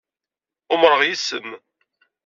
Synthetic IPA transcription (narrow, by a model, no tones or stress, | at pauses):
ʊmɾəʁjisəm